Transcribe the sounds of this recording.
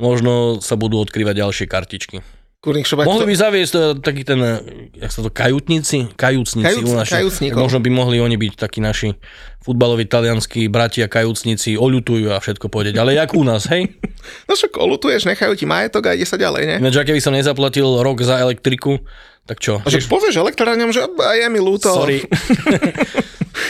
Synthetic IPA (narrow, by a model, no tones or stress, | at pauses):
mɔʒnɔsabud̪uːɔt̪kɾiːʋaɟɟalʃɪɛkaɾcit͡ʃki | kuɾnikʃɔbmɔɦlibizaʋɪɛstːt̪akiːt̪ɛnjaksat̪ɔkajut̪ɲit͡sikajuːt͡sɲit͡siunaːsjut͡sɲiamɔʒnɔbimɔɦliɔɲibict̪akiːnaʃi | fud̪balɔʋit̪alɪanskibɾaciakajuːt͡sɲit͡siɔʎut̪ujuːafʃɛt̪̚kɔpɔʋɛɟɛalɛakunaːsɦɛjnɔt͡ʃɔkɔ̰lut̪ujɛʒɲɛxajucimajɛt̪ɔɡaiɟɛsaɟa̰lɛ̰jɲɛnad͡ʒɛakɛbisɔmɲɛzaplacilɾɔɡzaɛlɛk̚t̪ɾiku | t̪akt͡ʃɔʒɛpɔʋɪɛʒɛlɛk̚t̪ɾaːɲɔmʒɛajɛmiluːt̪ɔɔɾi